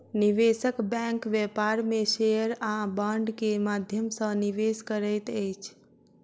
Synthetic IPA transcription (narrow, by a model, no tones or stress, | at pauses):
niʋesəkbɛ̃ŋkʋepaɾmesejəɾãbaɳɖkemad̪ʱjəmsə̃niʋeskəɾəjt̪əjt͡ʃʰ